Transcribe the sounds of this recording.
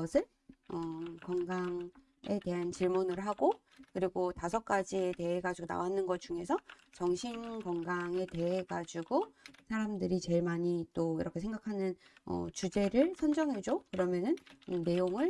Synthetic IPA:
ʌsʰɯɭ | ʌkʌŋɡaŋ | e̞te̞ɦant͡ɕiɭmunɯɭɦaɡo | kɯɾiɡotasʰʌk̚k͈ad͡ʑiete̞ɦeɡad͡ʑuɡona̰wanːɯnɡʌt̚t͡ɕ͈uŋe̞sʰʌ | t͡ɕʌŋɕʰinkʌŋɡaŋe̞te̞ɦeɡad͡ʑuɡosʰaɾamdɯɾit͡ɕe̞ɭmaɲit͈oiɾʌkʰe̞sʰe̞ŋɡakʰanɯnʌ̰t͡ɕud͡ʑe̞ɾɯɭsʰʌnd͡ʑʌŋɦe̞d͡ʑokɯɾʌmjʌnɯnne̞joŋɯɭ

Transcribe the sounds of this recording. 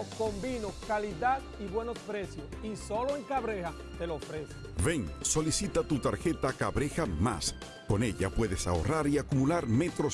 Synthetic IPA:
okombinoskaliðad̪ | iβwe̞nospɾe̞sjosiso̞loeŋkaβɾeha | t̪elofɾesove̞ŋso̞lisit̪at̪ut̪aɾxe̞t̪akaβɾexama̰s | ko̞ne̞ʎa̰pwe̞ðe̞sao̞̰raɾiakumulaɾme̞t̪ɾo

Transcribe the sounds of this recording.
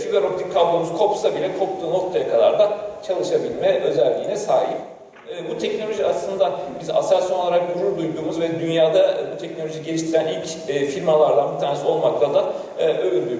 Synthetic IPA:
fiaɾok̚t̪ʰikʰːablˠomuzkʰo̞psabilʲɛkʰo̞p̚t̪ʰuːno̞k̚t̪ʰajakʰad̪a̰ɾd̪at͡ʃʰalˠɯʃabilʲmɛʔø̞zælʲːiːnɛsaːɦipː | but̪ʰɛcno̞lʲo̞ʒiaslˠɯnd̪abiza̰saɾsolˠaɾak̚d̪uɾuɾd̪ujd̪uːmuzvɛd̪ynjaːd̪abut̪ʰɛcno̞lʲoʒiɟe̞lʲiʃt̪ʰiɾænilʲcː | filʲmalˠaɾd̪anbit̪ʰæːnisiolˠmaklˠad̪aː | øynd̪y

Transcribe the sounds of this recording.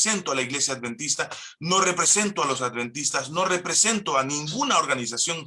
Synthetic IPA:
se̞nt̪oalaiɣle̞sjad̪βe̞nt̪ist̪a | no̞re̞pɾe̞se̞nt̪oalo̞sad̪βe̞nt̪ist̪asno̞re̞pɾe̞se̞nt̪oanĩŋɡunao̞ɾɣanis̬asjo̞ŋ

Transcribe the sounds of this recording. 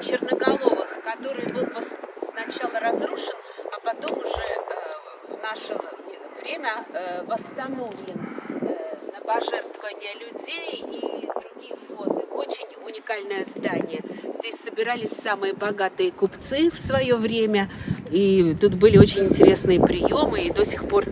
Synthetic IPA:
t͡ɕɪrnəɡɐlˠo̞vəxkɐt̪o̞ɾɨjbɨlˠvəssnɐt͡ɕalˠəɾɐzɾuʂɨnɐpɐt̪o̞mʊʐɛ | vnaʂəɛt̪əvɾʲemʲəvəst̪ɐno̞vlʲɪnː | əpɐʐɛrt̪vəvənʲɪjəlʲʊdʲejid̪ɾʊɡʲijəvond̪ɨo̞t͡ɕɪnʲʊnʲɪkalʲnəjəzd̪anʲɪjəzʲdʲesʲsəbʲɪɾalʲɪsʲsamɨjəbɐɡat̪ɨjəkʊpt̪sɨfsvɐjo̞vɾʲemʲəit̪ut̪bɨlʲɪo̞t͡ɕɪnʲɪnʲtʲɪɾʲe̞snɨjəpɾʲɪjo̞mɨid̪o̞sʲɪxpo̞r

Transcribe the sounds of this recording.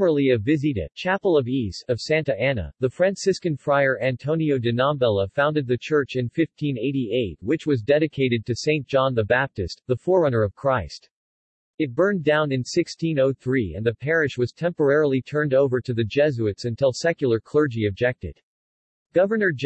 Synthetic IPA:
ə˞l̩ˠiɨvɪziɾɨ̰t͡ʃʰæpl̩ˠʌvistʌv̥sæ̃ntɨænə̰ðɨfɹæ̃nsɪskɨ̃nfɹaɪə˞ʔæ̃ntʰõʊ̃nioʊdɨnɑmbɛlˠəfãʊ̃ndɨd̪̚ðɨt͡ʃʰɜ˞t͡ʃɨ̃nfɪftʰĩneɪɾieɪt̚wɨt͡ʃwʌzdɛɾɨkʰeɪɾɨd̚tʰɨsẽɪ̃ntd̥ʒ̥ɑ̃nðɨbæp̚tɨst̪̚ðəfɔɹʌñə˞ʌv̥kʰɹ̥aɪst | ɨt̚b̥ɜ̃˞ndãʊ̃nɨ̃nsɪkstʰĩnoʊθɹiɨ̰̃nðɨpʰɛɹɨʃwʌz̥tʰɛ̃mpə˞ɛɹl̩ˠitʰɜ̃˞ndoʊvə˞ɾɨðɨd͡ʒɛzʉɨtsɨ̃ntʰɪlˠsɛkjl̩ˠə˞kʰl̥ɜ˞d͡ʒiɨb̚d͡ʒɛk̚tɨ̰d̥ | ɡ̥ʌvə˞nə˞d͡ʒ

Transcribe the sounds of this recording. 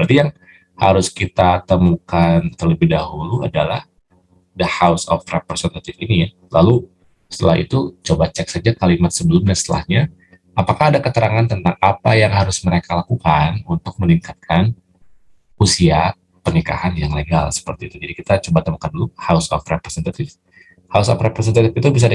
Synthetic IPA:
pərt̪ijaŋ | haɾʊskit̪at̪əmukant̪ərləbɪhdaɦuluadalah | dəhawsɔ̰frepɾesɛnt̪at̪ɪfinija | lalu | sə̥t̪əlahḭt̪ut͡ʃobat͡ʃɛk̚sad͡ʒakalimat̪̚səbəlʊmɲasət̪əla̰hɲa | apakahadakət̪əɾʔaŋant̪ənt̪aŋapajaŋɦaɾʊsməɾekalakukanunt̪ʊk̚məniŋkat̪̚kʰan | usia | pənika̰hanjaŋleɡa̰lsə̥pərt̪iːt̪ud͡ʒadikit̪at͡ʃobat̪əmakanduluhausɔ̰frepɾesɛnt̪at̪ɪf | hausɔfrepɾesɛnt̪at̪ɪfit̪ubis̬a

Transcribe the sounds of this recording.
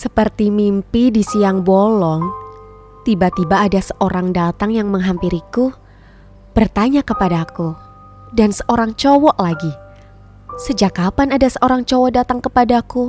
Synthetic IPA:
səpərt̪imimpidisiaŋbɔlɔŋ | t̪ibat̪ibaːdasəʔoɾaŋdat̪aŋjaŋməŋɦampiɾiku | b̥ərt̪aɲakəpadaku | dansəʔoɾaŋt͡ʃɔwɔʔlaɡi | səd͡ʒakapanadasəʔoɾaŋt͡ʃɔwɔdat̪aŋkəpadaku

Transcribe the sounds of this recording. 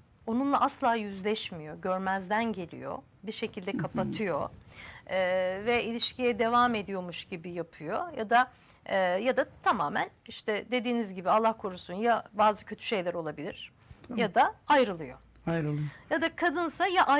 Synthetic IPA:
o̞nunlˠaʔaslˠaːjyzlʲɛʃmijo̞ɟøɾmæzd̪ænɟe̞lʲḭjo̞̰ | biɾʃe̞cʰilʲd̪ɛkʰapat̪ʰɯjo̞ | ɛːvɛʔilʲiʃcʰijɛd̪e̞vaːme̞d̪ijo̞muʃɟibijapʰɯjo̞jad̪aː | jad̪at̪ʰamaːmæ̰niʃt̪ʰɛd̪e̞d̪iːnizɟibialˠːahkʰoɾusunjabaːzɯcʰø̞t̪ʰy̥ʃe̞jlʲæɾo̞lˠabilʲiɾ̥ | jad̪aajɾɯlˠɯjo̞̰ | ɾjad̪akʰad̪ɯnsajaʔa

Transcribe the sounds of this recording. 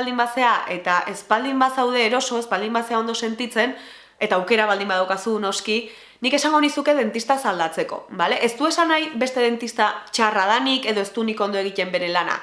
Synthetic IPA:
ld̪imbase̞aʔe̞t̪aʔe̞spald̪imbasawð̞e̞ːɾo̞so̞e̞spald̪imbase̞ao̞nd̪ose̞nt̪it͡se̞n | e̞t̪aːwke̞ɾaβald̪imbaðawkasuno̞ski | nike̞saŋɡo̞nisuke̞ð̞e̞nt̪ist̪asald̪at͡se̞ko̞̰bale̞ʔest̪ue̞sanajbe̞st̪e̞ð̞e̞nt̪ist̪at͡ʃarað̞anike̞ðo̞e̞st̪uniko̞nd̪o̞e̞ɣ̞ice̞mbe̞ɾe̞lana̰

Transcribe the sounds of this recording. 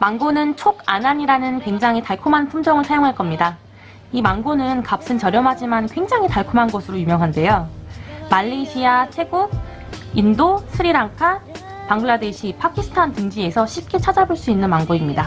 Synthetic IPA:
maŋɡonɯnt͡ɕʰoɡanaɲiɾanɯnkwe̞ŋd͡ʑaŋɦitaɭkʰumɦanpʰumd͡ʑʌŋɯɭsʰajoŋɦaɭk͈ʌmɲida | imaŋɡonɯnkap̚s͈ɯnt͡ɕʌɾjʌmɦad͡ʑimankwe̞ŋd͡ʑaŋɦitaɭkʰomanɡʌsʰɯɾojumjʌŋɦande̞jo | maʎːeɕʰiat͡ɕʰe̞ɡo | indosʰɯɾiɾaŋkʰa | paŋɡɯɭade̞ɕʰipʰakʰisʰɯ̥tʰantɯŋd͡ʑie̞sʰʌɕʰip̚k͈e̞t͡ɕʰad͡ʑaboɭs͈uinːɯnmaŋɡoimɲida

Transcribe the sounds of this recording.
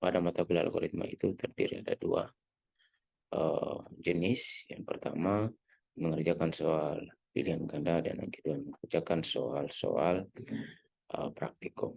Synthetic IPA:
padamat̪akula̰lɡɔɾit̪̚ma̰it̪ut̪ərdiɾiadadua̰ | əd͡ʒənɪsjaŋpərt̪a̰ma | məŋərd͡ʒakansoalpiliaŋkandada̰na̰ɡiduaməŋkərd͡ʒakansoalso̰al | əpɾak̚t̪iko

